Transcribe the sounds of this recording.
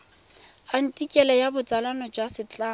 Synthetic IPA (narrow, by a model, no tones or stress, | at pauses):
an̩tʼikʼɛlɛjabʊt͡sʼalanɔd͡ʒwasɪt͡ɬʼaː